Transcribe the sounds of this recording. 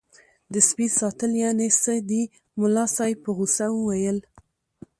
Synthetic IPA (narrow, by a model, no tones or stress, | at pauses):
d̪əspisɑt̪əljɑnesəd̪i | mʊlɑsɑjpəɣusawəwajəl